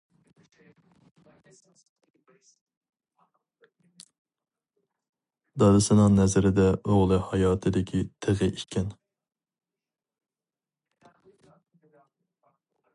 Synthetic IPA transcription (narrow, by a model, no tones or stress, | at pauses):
d̪ɑd̪ɨsɨnɨŋnɛzɪɾɪd̪ɛoʁlˠɨhɑjɑːt̪ʰɨd̪ɪkʲʰit̪ʰeʁɨʔikʲʰɛn